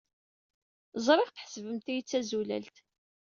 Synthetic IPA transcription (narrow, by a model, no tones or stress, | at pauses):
zˤɾˤɪʁθə̥ħsəvəmt̪ijit͡sːæzulæ̰lt̪